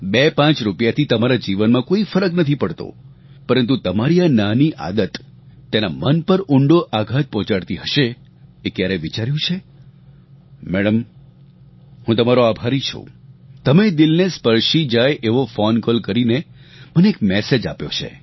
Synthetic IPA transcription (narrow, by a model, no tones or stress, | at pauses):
bepãt͡ʃɾupjat̪ʰit̪əmaɾad͡ʒiʋənmãkoifəɾəknət̪ʰipəɽt̪o̰ | pəɾənt̪̬ut̪əmaɾiananiʔa̰d̪ət̪ːenamənpəɾʊɳɖoʔaɡʱat̪̚pɔ̃t͡ʃaɽt̪iɦəʃe | ekjaɾɛʋit͡ʃaɾjũt͡ʃʰe | mɛɽəm | hũt̪əmaɾoabʱaɾit͡ʃʰṵt̪əmed̪ɪlnespəɾʃid͡ʒajʔeʋofɔnkɔlkəɾinemənekmɛsed͡ʒa̰pjo̰t͡ʃʰḛ